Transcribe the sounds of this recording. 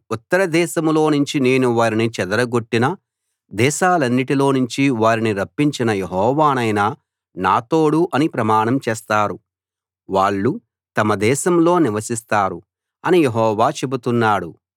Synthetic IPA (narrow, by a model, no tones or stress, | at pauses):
ut̪ːɐɾɐd̪ɛːʃɐmlo̞ːnuɲt͡ʃine̞ːnuʋaːɾinit͡ʃɛd̪ɐɾɐɡoʈːinɐ | d̪ɛːʃaːlɐnːiʈilo̞ːnuɲt͡ʃiʋaːɾiniɾɐpːiɲt͡ʃinɐjeɦɔːʋaːnɐjnɐ | naːt̪o̞ːɽuʔɐnipɾɐmaːɳɐmt͡ʃɛːst̪aːɾu | ʋaːɭːu | t̪ɐmɐd̪ɛːʃɐmlo̞ːniʋɐsist̪aːɾu | ɐnijeɦɔːʋaːt͡ʃe̞but̪unːaːɽu